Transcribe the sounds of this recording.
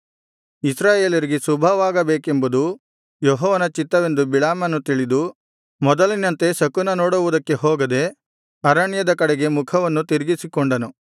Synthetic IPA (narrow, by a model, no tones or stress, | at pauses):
isɾaːje̞ːljɐɾiɡesubʱɐʋaːɡɐbeːkembud̪u | jɔɦɔːʋɐnɐt͡ʃit̪ːɐʋe̞nd̪ubiɭaːmɐnːut̪iɭid̪u | mɔd̪ɐlinɐnt̪e̞sɐkunɐnoːɽuʋud̪ɐkːe̞ɦɔːɡɐd̪e̞ | ɐɾaɳjɐd̪ɐkɐɽɛɡe̞mukʰɐʋɐnːut̪iɾiɡisikɔɳɖɐnu